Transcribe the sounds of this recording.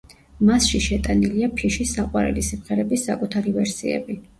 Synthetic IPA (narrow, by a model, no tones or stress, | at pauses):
masʃiʃɛt̪ʼaniliapʰiʃisːaqʼwaɾɛ̰lisimχɛɾɛbisːakʼut̪ʰaɾivɛɾsiɛ̰bi